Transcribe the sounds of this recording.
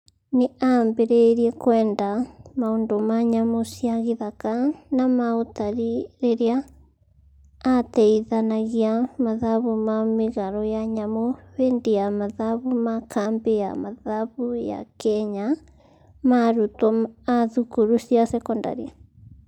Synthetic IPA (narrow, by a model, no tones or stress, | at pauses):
neʔambɛɾɛɾiɛkwɛːndamaoːndomaɲamosiaɣeðakanamaotaɾiɾeɾea | tɛiðanaɣiamaðaβumameɣaɾɔjaɲamoβeːndejamaðaβumakʰambeja̰maðaβuja̰kɛɲa | maɾutɔaðukuɾusjasɛkɔnda̰ɾia